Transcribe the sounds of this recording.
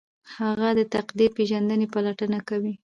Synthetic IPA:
haɣad̪ət̪aqd̪ipeʒand̪ənepalaʈənakawi

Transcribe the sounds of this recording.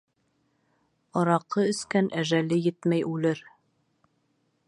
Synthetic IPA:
ɒɾɑqːɤɵ̆skænʔæʒælɘjɘt̪mæjʔʉlɘɾ

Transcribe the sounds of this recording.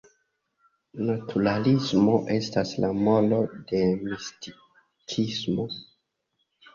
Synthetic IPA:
natʰuɾalismo̞ʔe̞staslamo̞lo̞de̞misti | kʰismo̞

